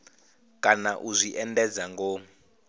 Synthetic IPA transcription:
kʼanaʔuzʷiʔɛndɛd͡zaŋɡɔ

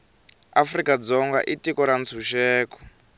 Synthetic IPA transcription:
afrikad͡zɔŋɡa̰ʔitikɔɾant͡sʰuʃɛːkɔ̥

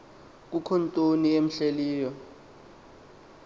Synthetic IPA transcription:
k̬ukʰɔntʼoniem̩ɬeliːjɔ

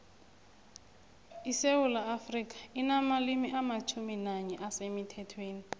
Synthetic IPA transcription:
isewulaːfrik̬ʼḁinamalimiʔamat͡ʃʰuminaɲɛʔasemitʰɛtʰweːni

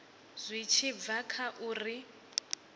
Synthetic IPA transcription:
z̥ʷit͡ʃʰib̪vakʰaʔuːri

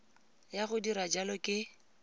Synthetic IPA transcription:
jaɣʊdiɾad͡ʒalɔkʼɪ

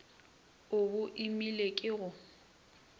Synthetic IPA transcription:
ʊbʊʔimilekʼɪɣʊ

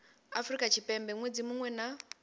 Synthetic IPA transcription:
afrikʼat͡ʃʰipɛmbɛŋwed͡zimuŋwɛna

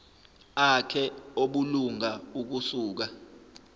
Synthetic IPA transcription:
akʰɛoɓuluŋauk̬usuːk̬a

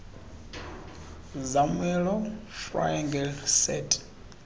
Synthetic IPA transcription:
zamwɛlɔfra̰jɛŋɡɛlsɛtʼ

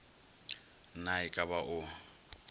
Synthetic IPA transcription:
naɪkʼabaʔʊ

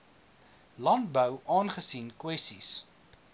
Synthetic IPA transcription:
lɐnt̚bəwʔɑːnχəsinkwɛstis

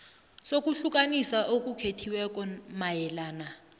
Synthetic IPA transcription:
sok̬ʼuɬukʼanisaʔok̬ʼukʰetʰiwɛk̬ʼɔmajɛlaːna

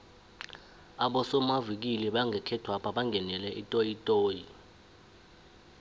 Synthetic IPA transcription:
aɓɔsɔmavik̬ilɛɓaŋɡʱɛkʰɛtʰwapʰaɓaŋɡʱɛnɛlɛʔitʼojitʼoːji

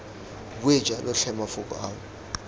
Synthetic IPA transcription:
k̬wɛ̥d͡ʒʱʼalɔɬɛmafukʼɔ̰aːwɔ

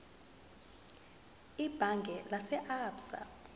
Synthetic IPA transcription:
ib̥ʱaŋɡʱɛlasɛʔaːpsa̰

